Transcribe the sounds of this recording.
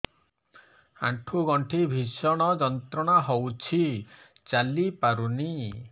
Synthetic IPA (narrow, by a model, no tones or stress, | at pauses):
ã̰ʈʰuɡɔɳʈʰibʱisɔɽ̃ɔd͡ʒɔnt̪ɾɔɽ̃aɦowt͡ʃʰi | t͡ʃalipaɾuni